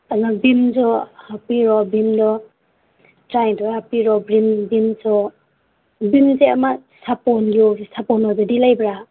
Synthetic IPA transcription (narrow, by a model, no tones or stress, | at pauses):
anabimzɔhapiɾɔbimdɔ | tɾajdɔhapiɾɔbɾimbimsɔ | bimzeamasapɔnɡosapɔnɔdɔdilajbɾa